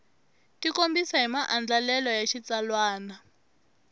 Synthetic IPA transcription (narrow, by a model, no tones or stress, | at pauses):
tikombisaɦimaʔand͡ɮalɛlɔjaʃit͡salwaːna